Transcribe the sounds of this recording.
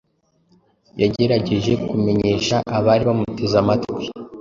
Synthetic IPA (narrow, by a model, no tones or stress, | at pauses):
jaɟe̞ɾaɟe̞ʒe̞kume̞ɲe̞ːʃaʔaβaːɾiβamute̞zamatkwe